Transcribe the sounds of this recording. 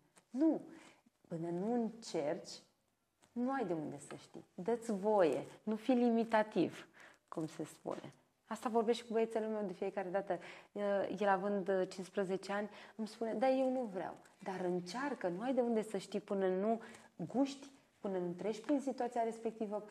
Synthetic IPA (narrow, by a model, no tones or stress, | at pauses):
nu | pɨnənuɨnt͡ʃe̞rt͡ʃʲ | nuajd̪e̞und̪e̞sə̰ʃt̪ḭd̪ət̪sʲvo̞je̞̰nufilimit̪at̪iv | kumse̞spṵne̞̰ | ast̪avo̞rbe̞ʃt̪e̞kubəet̪selume̞wd̪e̞fijekaɾe̞d̪at̪ə | jelavɨnd̪t͡ʃinspɾəze̞t͡ʃe̞anʲɨmspune̞d̪aje̞wnuvɾea̰wd̪aɾɨnt͡ʃarkənuajd̪e̞und̪e̞səʃt̪ipɨnənuɡuʃt̪ʲ | pɨnənut̪ɾe̞ʃpɾinsit̪uat̪sijaɾe̞spe̞k̚t̪ivə